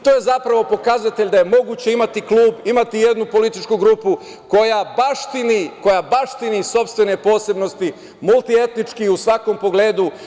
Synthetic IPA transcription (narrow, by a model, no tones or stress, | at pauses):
t̪o̞ːje̞zapɾaʋo̞po̞kazat̪eʎd̪aje̞mo̞ɡuːt͡ɕe̞imat̪iklˠuːbimat̪ije̞d̪nupo̞lit̪it͡ʃkuɡɾupu | ko̞jabaʃt̪iniko̞jabaʃt̪iniso̞pst̪ʋe̞ne̞po̞ːse̞bno̞st̪i | mulˠt̪ie̞t̪nit͡ʃkiusʋako̞mpo̞ɡleːd̪u